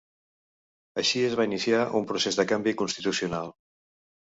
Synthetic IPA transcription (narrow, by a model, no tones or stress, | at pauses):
əʃiəzβainisiaʔumpɾusezðəkambikunst̪it̪usiunalˠ